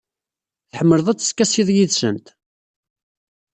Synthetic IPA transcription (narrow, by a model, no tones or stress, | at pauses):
θħəmːəɾðˤæt͡sːə̥skːæsiðˤjiðsə̰nt̪